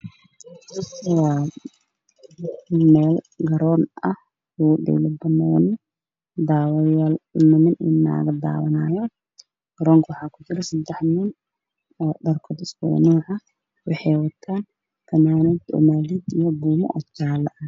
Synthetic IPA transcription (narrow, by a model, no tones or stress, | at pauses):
wɑː | mɛːl | ɡɐɾɔːnɐh | uɖɛ̰ːlɐbɐnɔːnɐ | d̪aːwjalmɐnɪnɪnːa̰ːɣɐd̪a̰ːwɐnaːjɔ | ɡ̥ɐɾɔːŋkʰɐwʊħɑːkʰʊt͡ʃɪɾɛsɐd̪ɛħnɪn | dɐrkʰɔːd̪ɪskɔ̰nuːʕɑ | wɑħɑjwɐt̪ʰːaːn | t̪ʰɐmaːnɛːd̪ɔ̰maːliːd̪ijɔbuːmɔ̰ʔɔt͡ʃaːlɐʔɐ